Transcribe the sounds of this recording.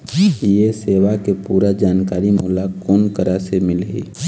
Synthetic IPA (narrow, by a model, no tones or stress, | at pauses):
jeseːwakepuːɾad͡ʒaːnkaːɾimʊːlakoːnkəɾasemɪlɦḭ